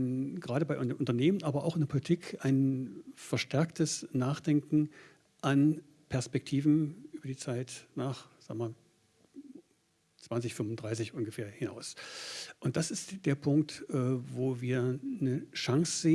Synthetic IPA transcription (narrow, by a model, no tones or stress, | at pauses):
ɡ̥ʁaːɾəbaɪʔʊnʔʊntɐneːmənʔaːbɐʔa̰ʊxɪndɛɐpʰolitʰikʰaɪnfɛɐʃtʰɛɐktəsnaːχd̥ɛŋkŋ̩ | ʔan | pʰɛɐspɛk̚tʰiːvn̩ʔyːbɐdiːt͡saɪtnaːχz̥aːɡəmaːl | t͡sv̥ansɪçfʏmʊndʁaɪs̬ɪçʔʊnɡəfeːɐhɪna̰ʊsʔʊnt̚d̥asɪstd̥eːɐpʰʊŋk̚tʔɛːvoːviːɐnəʃaŋsz̥eː